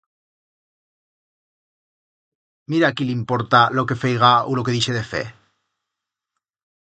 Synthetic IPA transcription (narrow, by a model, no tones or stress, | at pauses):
miɾakilimpoɾt̪aloke̞fejɣ̞aulo̞keðiʃe̞ðefḛ